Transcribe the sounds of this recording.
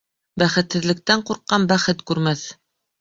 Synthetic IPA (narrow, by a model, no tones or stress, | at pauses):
bæχɘ̆t̪hɘ̆ðlɘ̆k̚t̪æɴquɾqːɑnbæχɘt̪kʉɾmæθ